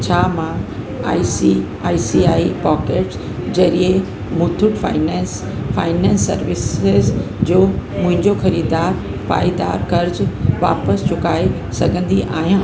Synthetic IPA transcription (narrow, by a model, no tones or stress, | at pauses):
t͡ɕʰaːmã | a̰ːisi | aːisiaːipɔːkeːʈs | d͡ʑɐɾie | mʊt̪ʰʊʈfa̰ɪnɛ̃s | fa̰ːɪnɛ̃ːnsːɐ̰ɾʋɪsɪz | d͡ʑoːmʊ̃ɦɪ̃ɲd͡ʑoxɐɾiːdd̪aːɾ | pa̰ːid̪a̰ːɾkɐɾd͡ʑʋa̰ːpəst͡ɕʊkaːe | sɐɡʱə̃nd̪iʔa̰ːɦijã